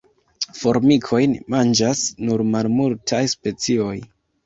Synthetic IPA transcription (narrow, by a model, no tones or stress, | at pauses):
fo̞ɾmikʰo̞jnmand͡ʒasnuɾmalmultʰajspe̞t͡sio̞j